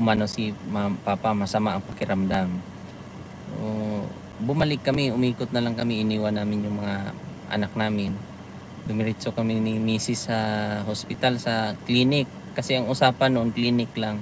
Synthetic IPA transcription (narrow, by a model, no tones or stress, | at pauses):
ʊmanosɪmampaːpamɐsɐmaʔɐŋpɐkɪɾamd̪aŋ | ʔo | bʊmalɪkːɐmɪʊmiːkʊt̪nɐlaŋkɐmɪʔɪniːwanaːmɪnjʊŋmɐŋaʔɐ̰nak̚naːmɪn | d̪ʊmɪɾɪt͡ʃokɐmɪnɪmiːsɪsːɐɦospɪt̪alsɐkliːnɪk̚ːɐsɛʔɐŋʊsaːpanːoʔonkliːnɪklaŋ